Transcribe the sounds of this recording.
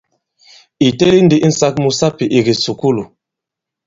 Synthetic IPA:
i˨te˦li˦ndi˦ʔ̩˦sa˦kmu˨sa˦pi˨ʔi˨ɡi˨su˨ku˦lu˨

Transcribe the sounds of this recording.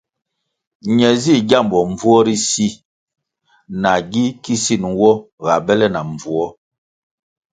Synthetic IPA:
ɲɛ˨zi˦˨ɡja˦˨mbɔ˨ɱ˨vu˦ɔ˦ɾi˦si˦ | na˨ɡi˦ki˦si˦˨n˨wɔ˦ | ɣa˨bɛ˦lɛ˦na˨ɱ˨vu˦ɔ˦

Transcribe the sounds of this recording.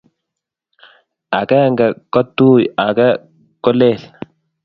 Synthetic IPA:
a˨kɛ˦ŋɡɛ˨kɔ˦t̪ːuː˦˨ja˨kɛ˦ | kɔ˦le˦˨l

